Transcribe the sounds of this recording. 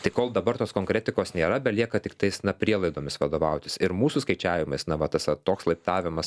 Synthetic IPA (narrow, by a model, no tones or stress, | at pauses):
t̪ɐɪkoːlˠd̪ɐbɐrt̪oːskoːŋkɾʲɛt̪ʲɪkoːsnʲeːɾɐbʲɛtlʲiɛkɐt̪ʲɪkt̪ɐɪsnɐpʲɾʲiɛlˠɐɪd̪oːmʲɪsʋɐd̪oːʋɐʊt̪ʲɪsɪɾmuːsʊskɐɪt͡ʃʲæːʋʲɪmɐɪsnɐʋɐt̪ɐsɐt̪oːkslˠɐɪpt̪ɑːʋʲɪmɐs